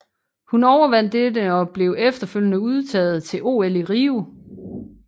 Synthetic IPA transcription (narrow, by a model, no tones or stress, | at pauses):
hunɒʊɐʋæn̰d̥edəɒ̽b̥le̝ʊefd̥ɐføl̰jənəuð̞ˠt͡sʰɛ̰ːð̩ˠt͡sʰe̝lʔo̝ːeliʁiːu